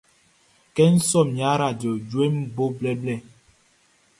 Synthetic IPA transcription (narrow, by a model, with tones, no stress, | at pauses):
kɛ˦n̩˦sɔ˦˨mja˨˦ɾa˦˨d͡ʒo˨d͡ʒwe˦m˦bo˦blɛ˦blɛ˦˨